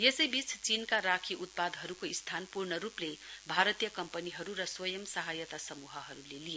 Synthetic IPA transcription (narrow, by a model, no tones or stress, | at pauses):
jesʌjbit͡sʰt͡sinkaɾakʰiʔut̪̚pad̪ʱɦʌɾukoist̪ʰanpurnʌɾuplebʱaɾʌt̪ijʌkʌmpəniɦʌɾuɾʌswʌjʌmsʌɦajʌt̪asʌmuɦʌɦʌɾulelie